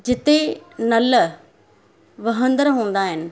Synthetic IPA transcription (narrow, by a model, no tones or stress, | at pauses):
d͡ʑɪt̪enɐl | ʋɐɦə̃nd̪əɾɦũːn̆d̪aːɦɪnɪ̆